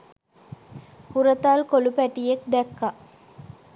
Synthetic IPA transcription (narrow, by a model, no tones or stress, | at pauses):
huɾət̪alkolupæʈijek̚d̪ɛkːa